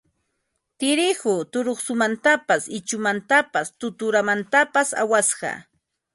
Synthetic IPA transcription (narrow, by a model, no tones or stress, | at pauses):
t̪ɪɾɪhʊt̪ʊɾoχsʊmant̪apasɪt͡ʃʊmant̪apast̪ʊt̪ʊɾamant̪apasa̰wasɢɑ̰